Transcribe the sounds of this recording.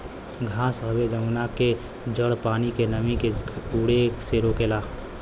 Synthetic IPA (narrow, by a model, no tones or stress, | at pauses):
ɡʱãːsɦəbed͡ʒəmnake | d͡ʒəɽpaːnikenəmĩkeuːɽeːkseɾokelaː